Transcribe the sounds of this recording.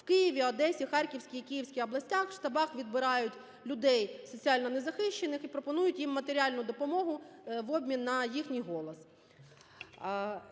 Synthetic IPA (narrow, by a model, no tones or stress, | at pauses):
wkɪjiʋʲiɐd̪ɛsʲixɑrʲkʲiwsʲkʲijikʲijiwsʲkʲɪjɔblˠɐsʲtʲaxʃt̪ɐbɑxʋʲid̪̚bɪɾɑjʊtʲ | lʲʊd̪ɛjsɔt͡sʲiɑlʲnɔnezɐxɪʃt͡ʃenɪxipɾɔpɔnujʊtʲjimːɐt̪eɾʲiɑlʲnʊd̪ɔpɔmɔɦʊʋɔbʲmʲinːɐjixnʲijɦɔlˠɔs